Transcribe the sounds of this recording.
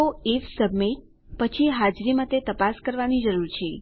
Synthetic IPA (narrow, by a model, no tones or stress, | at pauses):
oifsəbmiʈ̚ | pət͡ʃʰiɦad͡ʒɾimãt̪et̪əpaskəɾʋanid͡ʒəɾuɾt͡ʃʰe